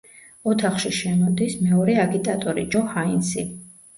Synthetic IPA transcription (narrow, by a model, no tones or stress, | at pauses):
ɔt̪ʰaχʃiʃɛmɔd̪ismɛɔɾɛaɡit̪ʼat̪ʼɔɾḭd͡ʒɔhainsḭ